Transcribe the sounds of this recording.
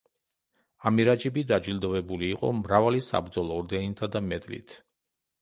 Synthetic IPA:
amiɾad͡ʒibid̪ad͡ʒild̪ɔvɛbuliːqʼɔ̰mɾavalisa̰bɾd̪zɔlˠɔːɾd̪ɛnit̪ʰad̪amɛd̪ʼlḭt̪ʰ

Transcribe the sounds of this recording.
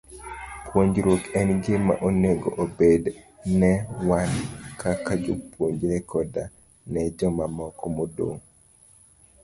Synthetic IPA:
pwoɲd͡ʒɾokɛnɡɪma̰ʔoneɡo̰ʔobed | nɛwankakad͡ʒopwoɲd͡ʒɾɛkʰɔda | nɛd͡ʒɔmamɔkɔmodo̰ŋ

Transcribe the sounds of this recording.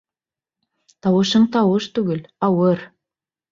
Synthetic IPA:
t̪ɑwɤ̆ʃɤɴt̪ɑwɤʃt̪ʉɡɘ̆lɑwɤɾ

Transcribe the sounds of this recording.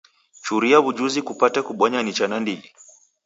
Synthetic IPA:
t͡ʃuɾiaβud͡ʒuzikupatakuɓɔɲanit͡ʃanandiɡi

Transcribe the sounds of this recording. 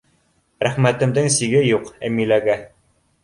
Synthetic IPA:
ɾæχmæt̪ɘ̆md̪ɘŋsiɡɘjuqæmilæɡæ

